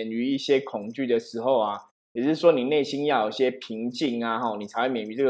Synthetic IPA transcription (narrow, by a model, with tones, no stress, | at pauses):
ɛ˨˩ny˧˥i˥˩ɕjɛ˦kʰʊ˨˩ŋt͡ɕy˥˩d̪ə˨ʂɻ̩˧˥xo˥˨ʊa˨ | jjɛ˨˩ʂɻ̩˥˩ʂwɔ˦ni˨˩ne˥˩ɪɕi˦njɑ˥˩jo˨˩i˩ɕjɛ˦˥pʰi˨˦˥ŋt͡ɕi˥˧ŋa˨xɔ˥˩ni˨˩a˧˥ɪxwe˥˩mjɛ˨˩ny˧˦t͡sɤ˥˩ɡ